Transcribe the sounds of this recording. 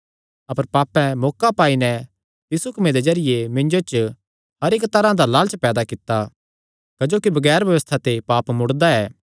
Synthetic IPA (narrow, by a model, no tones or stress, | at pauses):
ɐpəɾpaːpɛ̃mɔːkapaːinɛ | j̪ɪsukɐmed̪ed͡ʒɐɾɪjemɪ̃nd͡ʒot͡ʃ | ɦɐɾekt̪ɐɾãd̪alaːlt͡ʃpɛːd̪akɪt̪ːa | kɐd͡ʒoːkibɐɡɛːɾbjɐʋəst̪ʰat̪epaːpmʊɽd̪aɛː